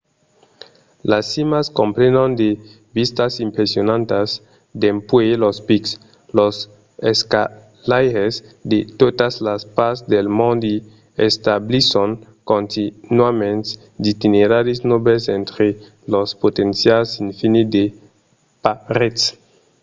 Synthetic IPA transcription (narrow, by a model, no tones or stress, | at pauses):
lasːimaskõmpɾenõnd̪e | bist̪asimpɾesionãnt̪as | d̪empwelospiks | los | eska | lajɾesd̪et̪ot̪aslaspaɾsd̪elmõnd̪i | est̪ablisoŋ | kõnt̪inwamẽnt̪ | d̪it̪ineɾaɾisnobesẽnt̪ɾe | lospot̪ẽnsjalsinfinid̪e | paɾet̪s